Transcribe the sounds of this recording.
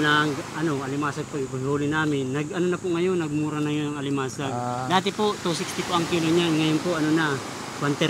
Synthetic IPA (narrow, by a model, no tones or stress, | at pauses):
naŋɡʔɐno̞ʔɐlɪmaːsaɡ̚pojbʊhuːlɪnaːmɪnːɐɡʔɐnonɐpʊʔŋɐjonːɐɡ̚muːɾanɐjonɐŋɐlɪmaːsaɡ̚d̪aːt̪ɪpoʔt̪us̬ɪkst̪ɪpʊʔɐŋkiːloɲanŋɐjʊnpʊʔɐnonɐ | kwant̪ɛ